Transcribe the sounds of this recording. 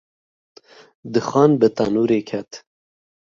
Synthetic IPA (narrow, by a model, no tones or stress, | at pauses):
d̪ɨxɑːnbɨt̪ɑnuːɾeːkʰɛt̪